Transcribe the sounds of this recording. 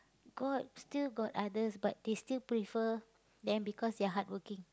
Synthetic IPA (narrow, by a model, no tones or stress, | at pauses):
ɡ̥ɔdstilɡɔtadəsbat̚destilpɹifə | dɛ̃nbikɔsdeaɦat̚wəkɪ̃ŋ